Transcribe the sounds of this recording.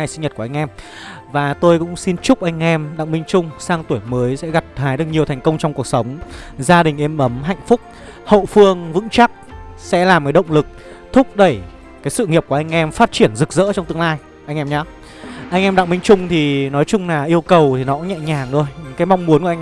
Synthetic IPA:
a˨˩jsi˧ŋɲə˨˩t̚ku˧˩ʔa˧jŋ̟ʔɛ˧m | vaː˨˩t̪o˧jkʊ̰˧˥ŋ͡msi˧nt͡ɕʊ˦˥k͡p̚ʔa˧jŋ̟ʔɛ˧mɗa̰˧˨ŋɓï˧ŋ̟t͡ɕʊ˧ŋ͡msaː˧ŋt̪u˧˩əjməː˨˦jsɛ̰˧˥ɣa˨˩t̚t̪ʰaː˨˦jɗɨ˨˩k̚ɲi˨˩əwt̪ʰɛ˨˩ŋ̟kə˧wŋ͡mt͡ɕɔ˧wŋ͡mku˨˩ək̚sə˨˦wŋ͡mzaː˧ɗï˨˩ŋ̟ʔe˧mʔə˨˦mɦa̰˧˨jŋ̟fʊ˦˥k͡p̚ | ho̰˧˨fɨ˧əŋvɨ̰˧˥ŋt͡ɕa˦˥k̚sɛ̰˧˥laː˨˩mkaː˨˦jɗə̰˧˨wŋ͡mlɨ˨˩k̚ | t̪ʰʊ˦˥k͡p̚ɗə˧˩j | kaː˨˦jsɨ̰˧˨ŋi˨˩p̚kʔa˧jŋ̟ʔɛ˧mfaː˦˥t̚t͡ɕi˧˩ənzɨ˨˩k̚zə̰ː˧˥t͡ɕɔ˧ŋ͡mt̪ɨ˧əŋlaː˧j | ʔa˧jŋ̟ʔɛ˧mɲaː˨˦ | ʔa˧jŋ̟ʔɛ˧mɗa̰˧˨ŋmï˧ŋt͡ɕʊ˧ŋ͡mt̪ʰi˨˩nɔ˨˦jt͡ɕʊ˧ŋ͡mlaː˨˩ʔi˧əwkə˨˩wt̪ʰi˨˩nɔ˨˦˧ɲɛ̰˧˨ɲaː˨˩ŋɗo˧jkaː˨˦jma˧wŋ͡mmu˨˦ənkŋ˧

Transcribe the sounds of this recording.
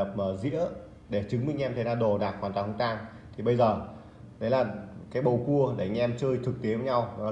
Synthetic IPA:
ə˨˩p̚məː˨˩zḭ˧˥ə | ɗe˧˩t͡ɕɨ˨˦ŋmï˧˨ŋ̟ʔɛ˧mt̪ʰə˨˦naː˧˩wɗo˨˩ɗaː˨˩xwaː˨˩nt̪a˨˩hə˧˩ŋ͡mt͡ɕ̪aː˧n | t̪ʰi˨˩ɓə˧jzəː˨˩ | ɗə˨˦jlaː˨˩kaː˨˦jɓə˨˩wku˧əɗe˧˩˧ŋ̟ʔɛ˧mt͡ɕəː˧jt̪ʰɨ˨˩k̚t̪e˨˦və˨˧˦ɲa˧wnɔ˨˦

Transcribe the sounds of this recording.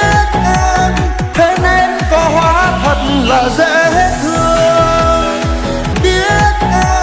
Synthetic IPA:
n | t̪ʰe˨˦ne˧nkɔ˨˦hwaː˨˦t̪ʰə˨˩t̚nlaː˨˩ze˧˥he˦˥t̚t̪ɨ˧əə | ɗi˧˦t̚

